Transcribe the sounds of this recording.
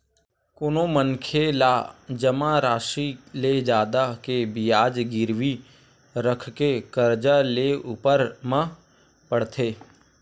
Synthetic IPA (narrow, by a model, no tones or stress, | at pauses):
koːnomənkʰelaːd͡ʒəmãɾaːʃiled͡ʒaːd̪akebɪjaːd͡ʒɡɪɾʋi | ɾəkʰkekəɾd͡ʒaleuːpəɾmã | pəɽt̪ʰeː